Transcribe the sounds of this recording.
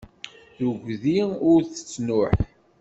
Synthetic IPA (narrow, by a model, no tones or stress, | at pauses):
θʊʝʷðiʊɾθə̥t͡sːnʊħ